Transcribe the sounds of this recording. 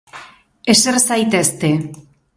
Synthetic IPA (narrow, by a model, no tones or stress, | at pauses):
esersajt̪est̪e